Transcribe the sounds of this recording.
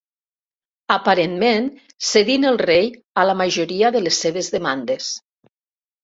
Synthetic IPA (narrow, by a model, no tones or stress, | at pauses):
əpaɾenmen | seðinəlˠrej | alamaʒoɾiaðəlesːeβ̞ezðəmand̪es